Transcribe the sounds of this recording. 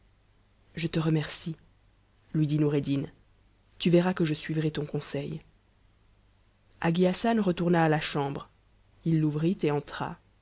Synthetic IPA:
ʒət̪əʁəmɛʁsi | lɥid̪inuʁed̪in | t̪yvɛʁakəʒəsɥivʁɛt̪ɔ̃kɔ̃sɛj | aɡʲiasanʁət̪uʁnaːlaʃɑ̃bʁ | ilːuvʁit̪eɑ̃t̪χa̰

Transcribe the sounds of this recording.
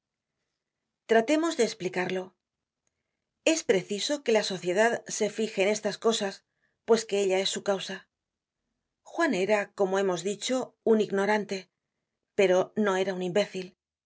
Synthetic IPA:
t̪ɾat̪e̞mo̞zðe̞ːsplikaɾlo̞ | e̞spɾe̞θiso̞ke̞laso̞θje̞ð̞aðse̞fixe̞ːne̞st̪asko̞sas | pwe̞ske̞e̞ʎae̞sːukawsa | xwane̞ɾako̞mo̞e̞mo̞zðit͡ʃo̞uniɣno̞ɾant̪e̞ | pe̞ɾo̞no̞e̞ɾaunimbe̞θil

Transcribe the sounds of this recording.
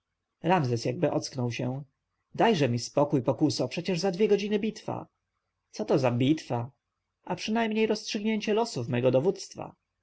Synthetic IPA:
ɾamzɛsjaɡ̚bɘʔɔt̪sknɔwɕɛ | d̪ajʐɛmʲispɔkujpɔkusɔpʂɛt͡ɕɛʐzad̪vʲjɛɡɔd͡ʑinɘbʲit̪fa̰ | t̪sɔt̪ɔzabʲit̪fa | ʔapʂɘnajmɲejɾɔstʂɘɡɲeɲt͡ɕɛlɔsufmɛɡɔd̪ɔvut̪st̪fa̰

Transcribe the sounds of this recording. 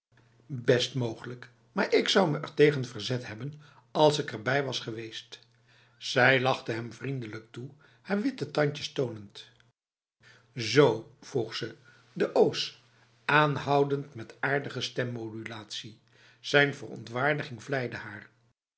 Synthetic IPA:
bɛstmowχələk | maːɹʔɪksʌwməʔɛɹtejχənvəɹzɛtɦɛbən | ɑlˠsɪkɛɹbɛjʋɑsχəʋejst | sɛjlɑχtəɦɛmvrindələk̚tu | haːɹʋɪtətɑɲcəstownənt | zowv̥ruχsə | dəʔoːs | aːnɦʌwdəntmɛtaːɹdəχəstɛmːodylaːtsi | z̥ɛjnvərɔ̰ntʋaːɹdəχɪŋvlɛjdəhaːɹ

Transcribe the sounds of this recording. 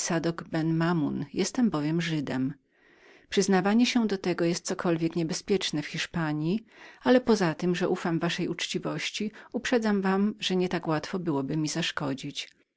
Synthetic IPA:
sad̪ɔɡbɛnmamunjɛst̪ɛmbɔvʲjɛmʐɘd̪ɛm | pʂɨznavaɲɛɕɛd̪ɔt̪ɛɡɔjɛst̪̚sɔkʰɔlvʲjɛkɲɛbɛspʲjɛt͡ʂnɛfxʲiʂpaɲjialɛpɔzat̪ɘmʐɛʔufamvaʂɛjut͡ʂt͡ɕivɔɕt͡ɕiupʂɛd̪zamvamʐ̥ɛɲɛt̪akwat̪fɔbɘwɔbɘmʲizaʂkɔd͡ʑit͡ɕ

